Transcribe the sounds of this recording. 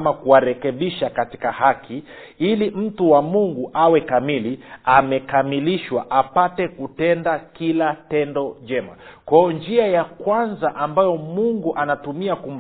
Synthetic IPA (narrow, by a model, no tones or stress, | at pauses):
makuwaɾɛkɛɓiʃakati̥kahakʰi | ilim̩tuwamuŋɡuʔawɛkamiliamɛkamiliʃwaʔapatɛkutɛndakilatɛndɔʄɛmakwaɔɲd͡ʒiajakwanzaʔambajɔmuŋɡuʔanatumiakum